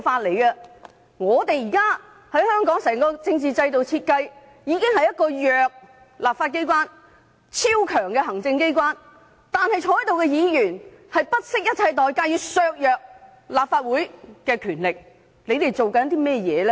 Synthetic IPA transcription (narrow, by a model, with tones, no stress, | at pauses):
faː˧t̚le˨˩jkɐ˧ | ŋɔː˨˧t̪e˨jjiː˨˩kaː˥ | hɐ˨˥jhœː˥ŋkɔː˨˥ŋsɛː˨˩ŋkɔː˧t͡sɪ˧ŋt͡siː˨t͡sɐ˧jt̪o˨wt͡sʰiː˧t̚kɐ˧j | jiː˨˧kɪ˥ŋhɐ˨jɐ˥t̚kɔː˧jœː˨k̚ | laː˨p̚faː˧t̚ke˥jk̬ʷwaː˥n | t͡sʰiː˥wkʰœː˨˩ŋkɛː˧ɦɐ˨˩ŋt͡sɪ˧ŋke˥jkʷwaː˥n | t̪aː˨˧nhɐ˨jt͡ʃʰɔː˧ɐ˥jt̪o˨wkɛ˧jiː˨˧jyː˨˩nhɐ˨jpɐ˥t̚sɪ˥k̚jɐ˥t̚t͡sʰɐ˧jt̪ɔː˨jkaː˥jiː˨˧sœː˧k̚jœː˨˧k̚ | laː˨p̚faː˧t̚wuː˨˥jkɛː˧kʰyː˨˩nlɪ˨k̚ | le˨˧jt̪e˨jt͡so˨wkɐ˨˥nt̪iː˥mɛː˥˩jɛ̰ː˨˧lɛ˦